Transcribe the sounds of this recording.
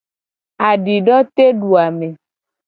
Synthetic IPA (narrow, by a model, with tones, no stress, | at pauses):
a˨ɖi˨ɖɔ˦t̪e˦ɖu˨a˨me˨